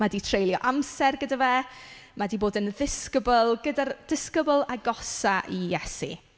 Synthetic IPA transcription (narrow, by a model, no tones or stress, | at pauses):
madiːtʰrejlˠjɔʔamsɛrɡədavɛːmadiːboːdənðɪskəbəlˠɡədard̥ɪskəbəlˠaɡɔsaʔijɛsḭ